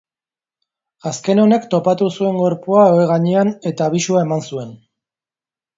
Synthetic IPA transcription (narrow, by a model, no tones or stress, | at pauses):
aske̞no̞ne̞kt̪o̞pat̪usue̞ŋɡo̞ɾpuaoeɣaɲeane̞t̪aːβ̞isuae̞mansue̞n